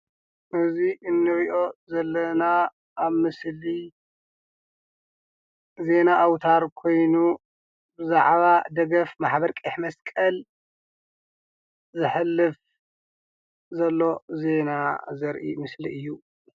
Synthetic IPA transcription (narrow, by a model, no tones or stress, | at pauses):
ʔɨziʔɨnːɨɾiʔo̞zɐlːɐnaː | βmɨsli | ze̞naʔawt̪ʰaɾkʰo̞jnu | bɨzaʕβad̪ɐɡɐfmaħbɐɾkʼiħmɐskʼɐl | zɨħɨlːɨf | zɐlːo̞ze̞nazɐɾʔḭmɨsliɨjːu